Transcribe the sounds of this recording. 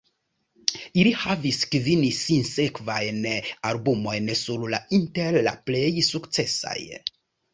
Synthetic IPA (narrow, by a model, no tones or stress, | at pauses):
ilihaviskvinisinse̞kvajnalbumo̞jnsuɾlainteɾla̰ple̞jsukt͡se̞sa̰j